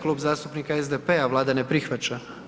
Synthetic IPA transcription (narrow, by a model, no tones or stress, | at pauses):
kluːbzaːst̪upnikaezd̪epeaʋlˠaːd̪anepɾixʋat͡ʃa